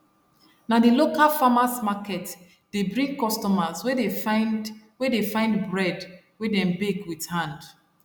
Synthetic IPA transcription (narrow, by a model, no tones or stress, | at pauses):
nadilokalfamasmakɛt | d̥ebɹĩŋɡkɔstɔmazwe | wɛdefãɪ̃ndbɹɛd | wɛdɛ̃mbeɡwidhãnd